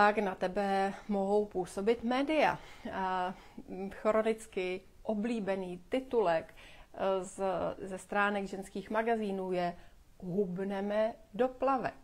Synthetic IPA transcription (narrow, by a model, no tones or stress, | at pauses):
t̪aknat̪ɛbɛmo̞ɦo̞wpuːso̞bɪt̪mɛːdɪja̰ | xoɾo̞nɪt͡skɪ | ʔo̞bliːbɛniːt̪ɪt̪ulɛk | zɛst̪ɾaːnɛɡʒɛnskiːxmaɡaziːnuːjɛ | ɦubnɛmɛdo̞plavɛ